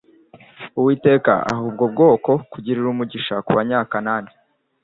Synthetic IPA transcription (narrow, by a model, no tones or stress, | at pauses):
uwiːte̞ːka̰a̰ɦuːb̚ɡo̞b̚ɡo̞ːko̞kuɟiɾiɾumuɟiʃakuβaɲaːkanaːni̥